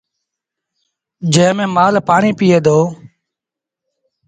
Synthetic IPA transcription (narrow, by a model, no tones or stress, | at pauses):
d͡ʒẽːmẽːmaːlpaːɳiːpiːeːd̪oː